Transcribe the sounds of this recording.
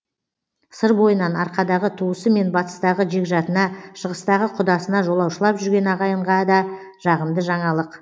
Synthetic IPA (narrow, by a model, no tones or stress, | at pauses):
səɾbo̞jənɑnɑɾqɑd̪ɑʁət̪ʰuəsəme̞nbɑt̪ə̥st̪ɑʁəʒe̞kʲʒɑt̪ənɑʃəʁəst̪ɑʁəqʰʊd̪ɑsənɑʒo̞lˠɑwʃəlˠɑpʒʏɾɡʲe̞nɑʁɑjəɴʁɑd̪ɑ | ʒ̥ɑʁəmd̪əʒɑɴɑlˠəq